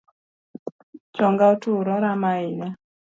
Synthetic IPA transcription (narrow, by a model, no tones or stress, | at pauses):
t͡ʃɔŋɡaɔtuɾɔɾamaina